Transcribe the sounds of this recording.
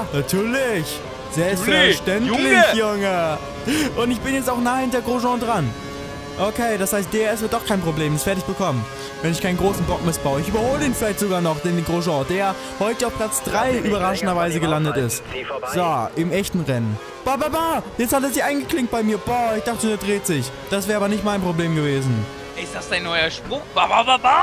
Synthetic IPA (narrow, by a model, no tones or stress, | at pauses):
natʰyːɐlɪç | z̥ɛlpstfɛʃtɛnlɪçjʊŋə | ʔʊntɪçb̥ɪnjɛt͡staʊxnaːhɪnteɐɡʁoʒɑ̃ːdʁan | ʔokʰeːdashaɪst̚d̥eːɛɐɛs̬v̥əɐt̚d̥ɔχkʰaɪnpʁ̥obleːmdasv̥ɛːɐtɪçb̥əkʰɔmən | vɛnɪçkʰaɪnɡʁoːsn̩bɔk̚mɪsb̥aʊəɪçʔyːbɐhoːlədeːnfɪlaɪçtz̥oɡaːɐnɔχd̥eːnɡʁoʒɑ̃ːdeːja | hɔʏtəaʊfplat͡sd̥ʁaɪʔyːbɐʁaʃən̩dɐvaɪzəɡəlandətɪstz̥oʔɪmʔɛçtn̩ʁɛnən | b̥aːbabaːjɛt͡sthatɛɐzɪçaɪnɡəkl̥ɪŋt̚b̥aɪmiːɐbɔːɪçd̥aχtədeːɐdʁeːtz̥ɪç | d̥as̬vɛːʁɐaːbɐnɪçtmaɪnpʁ̥obleːmɡəveːzn̩ | ɪstd̥asd̥aɪnːɔʏɐʃpʊk̚b̥aːbaːbabaː